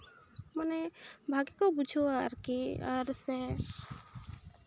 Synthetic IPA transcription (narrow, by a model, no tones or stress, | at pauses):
manɛbʱaɡikɔbud͡ʒʱɔaɾkia̰ɾsɛ